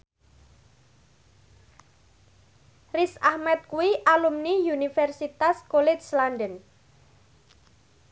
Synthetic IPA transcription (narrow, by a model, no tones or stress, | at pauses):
risahmɛt̪̚kuwiʔalumnijunifɛrsit̪askolɛt͡ʃslanɖən